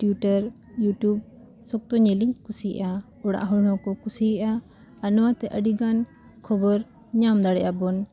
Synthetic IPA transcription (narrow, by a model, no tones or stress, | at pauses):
ʈjuʈəɾ | juʈjub̚ | sɔk̚t̪ɔɲɛliɲkusiɛ̰ʔa | ɔɽa̰ʔɦɔɽnɔkɔkusiɛʔaː | nɔwat̪ɛʔəɖiɡan | kʰɔbɔɾ | ɲamd̪aɽɛʔabɔn